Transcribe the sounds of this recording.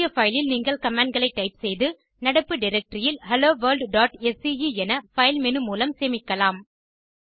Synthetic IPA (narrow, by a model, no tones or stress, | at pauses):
jɐfɐɪlɪlnɪŋɡɐɭkɐmaːɳɖ̚ɡɐɭɐɪʈːɐɪpsɛjðɯ | nɐɽɐpːɯɖɪɾɐk̚ʈɾɪjɪlhɐloːʋɐɾlɖɖaːʈɛsijiɛnɐfɐɪlmɛnɯmuːlɐmseːmɪkːɐlaːm